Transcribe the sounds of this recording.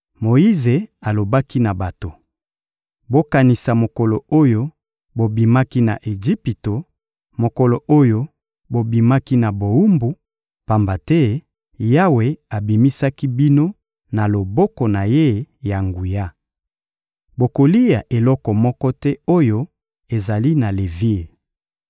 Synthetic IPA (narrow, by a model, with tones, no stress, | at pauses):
mo˨i˦ze˨a˨lo˨ba˦ki˦na˨ba˨to˨ | bo˦ka˨ni˨sa˨mo˨kɔ˨lɔ˨o˦jo˦ | bo˨bi˨ma˦ki˦na̰˨ʔe˨ʒi˦pi˨to˨ | mo˨kɔ˨lɔ˨ʔo˦jo˦ | bo˨bi˨ma˦ki˦na˨bo˨u˦mbu˨ | pa˨mba˨tɛ˦ | ja˦we˨a˨bi˨mi˦sa˦ki˦bi˦no˦ | na˨lo˨bɔ˦kɔ˨na˨je˦ja˨ŋɡu˨ja˦ | bo˨ko˨li˦ja˨ʔe˨lɔ˦kɔ˨mɔ˦kɔ˦tɛ˦o˦jo˦ | e˨za˨li˦na˨le˨vi˦l